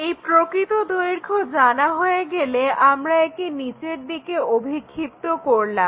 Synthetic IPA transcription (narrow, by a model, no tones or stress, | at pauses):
ejpɾokɾit̪od̪ojɾkʰod͡ʑanaɦoeɡeleʔamɾaek̚init͡ɕeɾd̪ikeobʱikʰːipt̪okoɾlam